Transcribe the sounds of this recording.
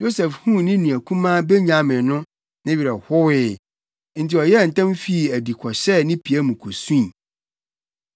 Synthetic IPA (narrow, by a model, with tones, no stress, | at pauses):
jo˦sɛ˨fhũ˦nɪ̃˦nũ˨æ˨kʰũ˦mãː˦be˦ɲã˦mɪ̃˨nʊ̃˦ | nẽ˦ɥi˨ɾa˨hʊ˦wɪ˦ | n̩˨tʰɪ˨ɔ˨jɛ˦˨n̩˨tʰã˦mfi˦˨æ˨di˨kʰɔ˨ɕɛ˦˨nɪ̃˦pʰi˨æ˦mũ˨kʰo˨sũ˦ĩ˨